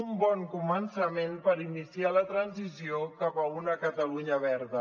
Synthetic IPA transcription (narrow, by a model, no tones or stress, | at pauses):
umbɔŋkumənsəmenpəɾinisialət̪ɾənzisiokapəunəkət̪əluɲəβɛɾðə